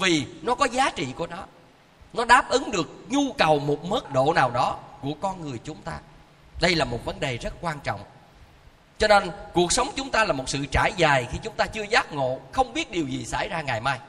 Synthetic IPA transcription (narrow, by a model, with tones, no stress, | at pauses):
vi˨˩nɔ˨˦kɔ˨˦zaː˨˦t͡ɕḭ˧˨ku˧˩ənɔ˨˦ | nɔ˨˦ɗaː˨˦˥p̚ʔɨ˨˦ŋɗɨ˨˩ək̚ɲu˧kə˨˩wmo˨˩t̚məː˦˥t̚ɗo̰˧˨naː˨˩wɗɔ˨˦ku˧˩əkɔ˧nŋɨ˨˩əjt͡ɕʊ˨˦ŋ͡mt̪aː˧ | ɗə˧jlaː˨˩mo˨˩t̚və˨˦nɗe˨˩zə˦˥t̚kwaː˧nt͡ɕɔ̰˧˨wŋ͡m | t͡ɕɔ˧ne˧nku˨˩ək̚sə˨˦wŋ͡mt͡ɕʊ˨˦ŋ͡mt̪aː˧laː˨˩mo˨˩t̚sɨ̰˧˨t͡ɕaː˧˩jzaː˨˩jxi˧t͡ɕʊ˨˦ŋ͡mt̪aː˧t͡ɕɨ˧əzaː˦˥t̚ŋo̰˧˨xə˧wŋ͡mɓi˦˥ət̚ɗi˨˩əwzi˨˩sa̰ː˧˩jzaː˧ŋa˨˩jmaː˧j